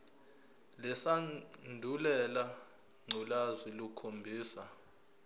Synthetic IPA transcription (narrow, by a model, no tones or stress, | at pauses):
lɛsandʱulɛla | ŋ͡ǀʱulazilukʰombʱiːsa